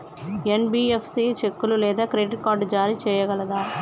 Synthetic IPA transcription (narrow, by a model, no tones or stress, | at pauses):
ɛnbiɛfsit͡ʃɛkːɯlɯleːðɐkɪɾeɖɪʈ̚kaːʈːd͡ʒaːɾit͡ʃɛjːɐɣɐɭɐðãː